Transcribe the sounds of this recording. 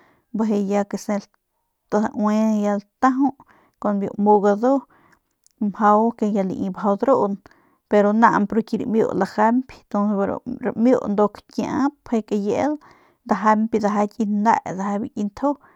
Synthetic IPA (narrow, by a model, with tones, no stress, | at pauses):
baɦe˧ja˧ke˧se˧l | t̪a˧aʔwe˧ja˧lt̪a˦ɦu˦ʔ | ko˧nbjo̰˧ʔmo˧ɡa˧d̪o˦ | mha˧wke˧ja˧lḭ˨ʔi˧bɦa˧wd̪ɾo˦ʔn | pe˧ɾo˧na̰˧ʔmpɾo˧ki˧ɾḭmjo̰˧ʔla˧xa˦mpi̥t̪o˧nsɾ̰ɾamjo˦˧ʔnd̪o˧kkjaʔã˦phe˧ke˧je˨˦l | d̪a˧ɦa˧mpi˧d̪a˧ɦa˧kʼi˧nd̪a̰˧ʔd̪a˧ɦa˧bi˧kʼi˧nt̪ʰo˦